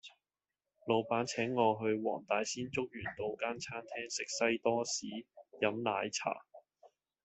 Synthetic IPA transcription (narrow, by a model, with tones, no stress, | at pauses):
lo˨˧wpaː˨˥nt͡sʰɛː˨˥ŋːɔː˧ɦɵ˧ɥwɔ̰ː˨˩ŋt̪aː˨˧jsiː˥nt͡sʊ˥k̚jyː˨˩nt̪o˨˧wkaː˥nt͡sʰaː˥nt̪ʰɛː˥ŋsɪ˨k̚sɐ˥jt̪ɔː˥siː˨˥jɐ˨˧˥mlaː˨˥jt͡sʰa̰ː˨˩